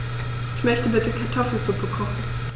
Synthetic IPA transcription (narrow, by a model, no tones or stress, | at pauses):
ʔɪçmœçtəbɪtəkʰaɐtʰɔfl̩zup̚əkʰɔχn̩